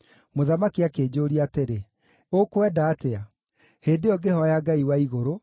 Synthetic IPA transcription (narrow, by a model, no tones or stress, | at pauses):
moðamakiakeːd͡ʑoɾiateɾe | okwɛdaːtea | heːdeɔɡehɔjaɡaiwaiɣoɾo